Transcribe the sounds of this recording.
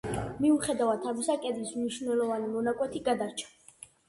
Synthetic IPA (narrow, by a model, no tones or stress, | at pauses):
miuχɛd̪avad̪ʰavisakʼɛd̪lismniʃvnɛlˠɔvanimɔnakʼwɛt̪ʰiɡad̪aɾt͡ʃʰḁ